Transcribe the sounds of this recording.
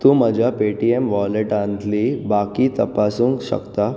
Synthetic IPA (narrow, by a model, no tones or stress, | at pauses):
t̪ũməd͡ʑʱapeʈiemʋɔleʈant̪ʰlibakit̪əpasũːŋkɕə̰kt̪a